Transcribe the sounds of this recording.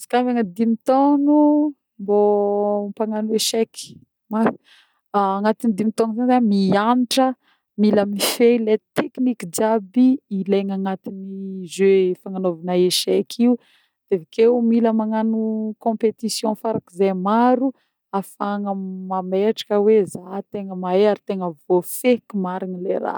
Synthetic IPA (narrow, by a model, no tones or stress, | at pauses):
si̥kamaŋəd̪imit̪onu | mbompaŋanueʃɛki̥ | maθi̥ | aŋat̪inid̪imit̪onuzanizamianiʈ͡ʂə | miləmifelet̪ekinikid͡ʒabiːleŋaŋat̪inizøefaŋanovinaeʃɛkʰiu | d̪̥evakeumiləmaŋanukɔ̃pet̪isjɔ̃faɾakizajmaɾu | afaŋəmameʈ͡ʂḁkəwezat̪eŋəmaeaɾit̪eŋəvofekimaɾinileɾa̰